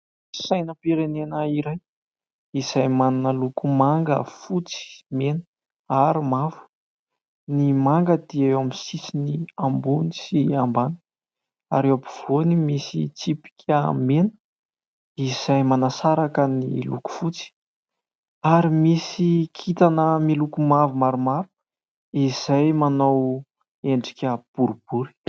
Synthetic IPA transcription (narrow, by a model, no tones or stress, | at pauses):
sajnəpiɾenenəiɾaj | iz̥ajmanunəlukumaŋɡə̰fut͡si̥menə̥ | aɾimavu̥ | nimaŋɡəd̪iewamisisiniambunisiambanə̥ | a̰ɾewabiv̥onimisḭt͡sipi̥kʲʰəmenə̥ | iz̥ajmanasaɾakənilṵku̥fut͡si̥ | aɾimisikʰit̪anəmilukumavumaɾumavu̥ | iz̥ajmanow | eɳɖ͡ʐikʲəb̥uɾub̥uɾi̥